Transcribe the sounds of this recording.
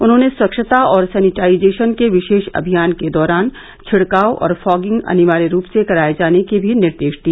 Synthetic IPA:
ʊnɦõːneswɐkʃət̪aɔːɾsɛːnɪʈaːɪd͡ʒeːʃənkeʋɪʃeːʃɐ̰bʱijaːnked̪ɔːɾaːn | t͡ʃʰɪɽkaːoʔɔ̰ːɾfɔːɡɪ̃ŋɡɐ̰nɪʋaːɾiɾuːpsekɐɾaːed͡ʒaːnekibʱinɪɾd̪eːʃd̪iaː

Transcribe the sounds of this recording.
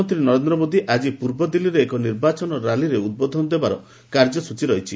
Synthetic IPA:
ɔnt̪ɾinɔɾend̪ɾɔmod̪ʱiʔad͡ʒipuɾbɔd̪iliɾeːkɔniɾbat͡ʃɔnɔɾaliɾeud̪̚bɔd̪ʱɔnɔd̪ebaɾɔ | kaɾd͡ʒɔsut͡ʃiɾɔɦjt͡ʃʰi

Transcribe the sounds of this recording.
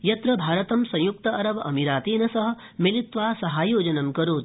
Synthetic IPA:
jɐt̪ɾɐbʱaːɾɐt̪ɐmsɐ̃j̃juk̚t̪ɐɐɾɐʋɐɐ̰miɾaːt̪iːnɐsɐɦɐ̆ | milit̪ʋaːsɐɦaːjoːd͡ʒɐnɐmkɐɾoːt̪

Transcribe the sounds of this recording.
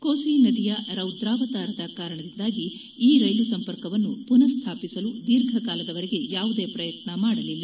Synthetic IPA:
koːsinɐd̪ijɐɾɐwd̪ɾaːʋɐt̪aːɾɐd̪ɐkaːɾɐɳɐd̪ind̪aːɡiː | ɾɐjlusɐmpɐɾkɐʋɐnːupunɐɾst̪ʰaːpisɐlud̪iɾɡʱɐkaːlɐd̪ɐʋɐɾiɡe̞jaːʋud̪e̞ːpɾɐjɐt̪nɐmaːɽɐlilːa

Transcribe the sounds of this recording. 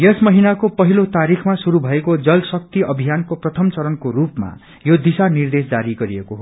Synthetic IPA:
jʌsmʌɦinakopʌɦilot̪aɾixʰmasuɾubʱʌekod͡zʌlsʌk̚t̪iʌbʱijankoprʌt̪ʰʌmt͡sʌɾʌnkoɾupma̰ | jod̪isanird̪esd͡zaɾiɡʌɾiekoɦo

